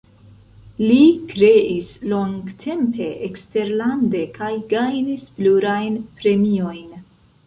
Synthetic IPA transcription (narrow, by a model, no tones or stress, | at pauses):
likɾe̞ʔislo̞ŋɡtʰe̞mpe̞ʔekste̞ɾlande̞kʰajɡajnispluɾajnpɾe̞mio̞jn